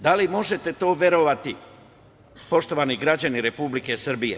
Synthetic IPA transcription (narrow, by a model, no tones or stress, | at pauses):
d̪alimo̞ʒet̪e̞t̪o̞ːʋʲje̞ɾoʋat̪i | po̞ʃt̪o̞ʋaniɡɾad͡ʑaniɾe̞publike̞srbije